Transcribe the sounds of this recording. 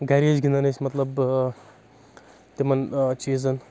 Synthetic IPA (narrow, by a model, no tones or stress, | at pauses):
ɡɐɾezɡʱʲind̪ɐnɐsʲmɐt̪lɐb | t̪emɐnt͡ʃiːzɐn